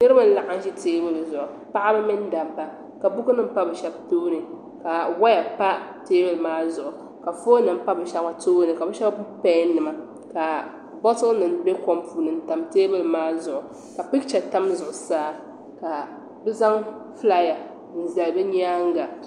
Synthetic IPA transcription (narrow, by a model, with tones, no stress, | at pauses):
nɨ˦ɾɨ˦ma˨n̩˦la˨ʔa˦n˦ʒi˦teː˦bɨ˨lzʊ˨ʔʊ˨ | pa˦ʔa˦ba˦mɨ˦n˦da˨mba˨ | ka˨bu˦kɨ˦nɨ˦m̩˦pa˦bɨ˨ʃɛ˦b̚toː˦nɨ˨ | ka˨wa˦ja˨pa˦teː˦bɨ˨lmaː˦zʊ˨ʔʊ˨ | ka˨fo˦nɨ˨m̩˦pa˦bɨ˨ʃa˦a˨toː˦nɨ˨ka˨bɨ˦ʃɛ˦bbpɛ˦n˦nɨ˨ma˨ | ka˨ | bɔ˦tʊ˦nɨ˨nbe˦ko˦mpʰuː˨nɨ˨n˨˦ta˨mteː˦bɨ˨lmaː˦zʊ˨ʔʊ˨ | ka˨pɪ˦kt͡ʃɛ˨ta˦mzʊ˨ʔʊ˨saː˦ | ka˨ | bɛ˦za˦ŋfla˦ja˨ | n̩˨za˨lbɨ˦ɲ˦aː˦ŋ˦ɡa˨